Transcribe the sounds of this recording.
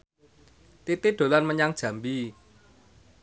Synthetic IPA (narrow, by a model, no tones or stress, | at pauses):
t̪it̪id̪̥o̤lanməɲaŋd̥ʒ̥ä̤mbi